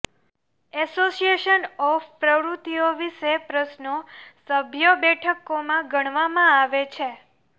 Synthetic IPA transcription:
ɛsosijeʃənɔfpɾəʋɾut̪ioʋiʃepɾəsnosəbʱjəbɛʈʰəkomãɡəɽ̃ʋamãaʋet͡ʃʰe

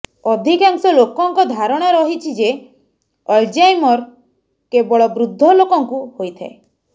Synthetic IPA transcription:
ɔd̪ʱikaŋsɔlokɔŋkɔd̪ʱaɾɔɽ̃ɔɾɔɦit͡ʃʰid͡ʒe | ɔld͡ʒajmɔɾ | kebɔɭɔbɾud̪ʱːɔlokɔŋkuhojt̪ʰa̰e

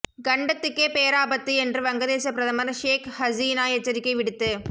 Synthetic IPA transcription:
ɡɐɳɖɐt̪ːɯkːeːpeːɾaːbɐt̪ːɯɛndrɯʋɐŋɡɐðeːsɐpɪɾɐðɐmɐɾʂeːkhɐziːnaːɛt͡ʃːɐɾɪkːɐɪʋɪɽɯt̪ːɯ

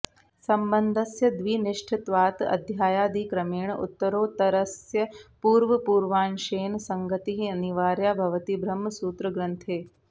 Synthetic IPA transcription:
sɐmbɐnd̪ʱɐsjɐd̪ʋiːniʂʈʰɪt̪ʋaːt̪ɐ̰d̪ʱjaːjaːd̪iːkɾɐmeːɳṵt̪ːɐɾoːt̪ɐɾɐsjɐpuːɾʋɐpuːɾʋaːnʃeːnsɐŋɡɐt̪iɦiɐniʋaːɾjaːbʱɐʋɐt̪ibʱɾɐmːɐsuːt̪ɾɐɡɾɐnt̪ʰeː

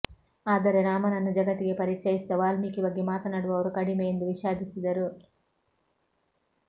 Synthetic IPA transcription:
aːd̪ɐɾeɾaːmɐnɐnːud͡ʒɐɡɐt̪ːiɡepɐɾit͡ʃɐjist̪ɐʋaːlmiːkibɐɡːimaːt̪ɐnɐɽuʋɐʋɐɾukɐɽimejnd̪uʋiʃaːd̪isid̪ɐɾu

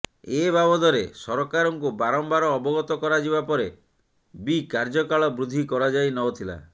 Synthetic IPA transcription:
ebabɔd̪ɔɾesɔɾɔkaɾɔŋkubaɾɔmbaɾɔːbɔɡɔt̪ɔkɔɾad͡ʒiβapɔɾe | bikaɾd͡ʒɔkaɭɔbɾud̪ʱːikɔɾad͡ʒajnɔwt̪ʰila̰

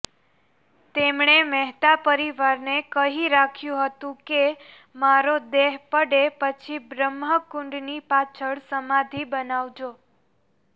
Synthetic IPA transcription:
t̪emɳemɛɦt̪apəɾiʋaɾnekəɦiɾakʰjũɦət̪ũke | maɾod̪eɦpəɽepət͡ʃʰibɾəmɦəkʊɳɖnipat͡ʃʰəɭsəmad̪ʱibənaʋd͡ʒo

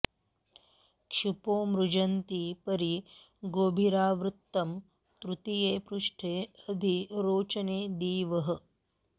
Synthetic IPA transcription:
kʃupoːmɾud͡ʒɐnt̪ipɐɾi | ɡoːbʱiɾaːʋɾut̪ːɐm | t̪ɾut̪ijeːpɾuʂʈʰeːɐd̪ʱiɾoːt͡ʃɐneːd̪iːʋɐɦɐ̆

